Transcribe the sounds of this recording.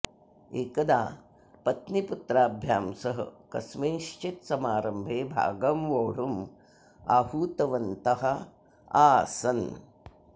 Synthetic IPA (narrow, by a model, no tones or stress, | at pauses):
eːkɐd̪aː | pɐt̪niput̪ɾaːbʱjaːmsɐɦɐ̰kɐ̰smeːʃt͡ʃit̪sɐmaːɾɐmbʱeːbʱa̰ːɡɐmʋoːɽ̤um | aːhuːt̪ɐʋɐnt̪ɐɦɐ | aːsɐn